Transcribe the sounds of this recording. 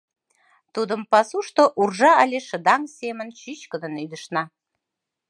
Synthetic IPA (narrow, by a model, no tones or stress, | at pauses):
t̪ud̪əmpɑsuʃt̪oʔurʒɑɑlʲeʃə̆d̪ɑŋsʲemənt͡ɕyɕkə̆d̪ə̆nyd̪əʃnɑ